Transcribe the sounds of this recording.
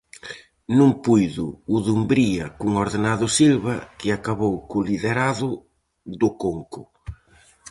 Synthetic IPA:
nũŋpujðʊːðumbɾiɐkuŋoɾðenaðʊsilβɐkɪakaβowkʊliðeɾaðʊ | ðʊkoŋkʊ

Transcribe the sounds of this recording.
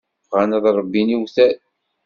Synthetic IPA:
fʁænəðˤɾˤəbːiniwθæ

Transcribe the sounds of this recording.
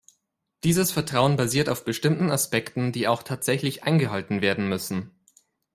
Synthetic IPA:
d̥iːzəsfɛɐtʁ̥aʊənbaziːɐtaʊfb̥əʃtɪmtn̩aspɛktn̩diːaʊxtʰaːtz̥ɛçlɪçʔa̰ɪnɡəɦaltn̩veːɐdn̩mʏsn̩

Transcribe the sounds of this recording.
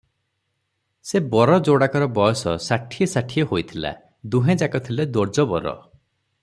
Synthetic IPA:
sebɔɾɔd͡ʒoɽakɔɾɔbɔjɔsɔsaʈʰiesaʈʰijehojt̪ʰila̰ | d̪uɦẽd͡ʒakɔt̪ʰiled̪oɾd͡ʒɔbɔ̰ɾɔ̰

